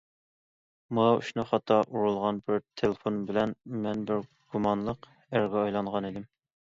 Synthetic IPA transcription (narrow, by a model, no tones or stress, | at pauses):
mɑṵʃnɨχɑt̪ʰːɑʔuɾulˠʁɑnbɪɾt̪ʰelˠefonbɪlɛnmɛnbɪɾ | ɡ̥umɑnlˠəq | æɾɡʲɑːjlˠɑɴʁɑnid̪ɪm